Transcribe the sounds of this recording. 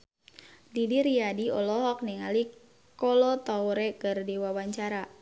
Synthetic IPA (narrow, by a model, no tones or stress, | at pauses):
didiɾiadiɔlɔɦɔk̚niŋali | kɔlɔt̪awɾɛkərdiwawaɲt͡ʃaɾa